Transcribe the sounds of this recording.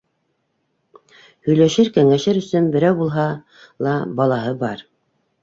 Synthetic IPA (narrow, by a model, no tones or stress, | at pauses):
hɵ̆jlæʃɘɾkæŋæʃɘɾɵ̆sɵnbɘ̆ɾæwbulˠɦɑ | lˠɑbɑlˠɑɦɤbɑɾ